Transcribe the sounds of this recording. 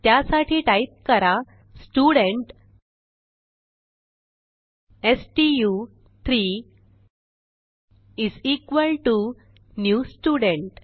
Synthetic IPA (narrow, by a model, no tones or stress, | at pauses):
t̪jasaʈʰiːʈait̪̚kəɾa | sʈuɽəɳʈ | esʈiju | t̪ʰɾi | izikʋəlʈu | njusʈuɽəɳʈ